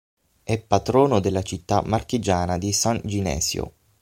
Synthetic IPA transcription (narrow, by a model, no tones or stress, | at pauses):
ɛpːat̪ɾɔːnod̪elːat͡ʃit̪ːamarkid͡ʒaːnad̪isand͡ʒinɛ̰ːsjo̰